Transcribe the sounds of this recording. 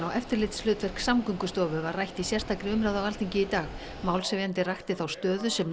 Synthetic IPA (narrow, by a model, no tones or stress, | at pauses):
awʔɛft̪ɪɾlɪːt̪slʏːt̪vɛr̥ksamkʏŋkʏst̪ɔːvʏvarajht̪isjɛr̥st̪aːkɾɪʏmɾawðawal̥t̪ʰiɲcɪit̪aːx | maːwlsɛvjant̪ɪrajxt̪ɪθawst̪œːðʏsɛm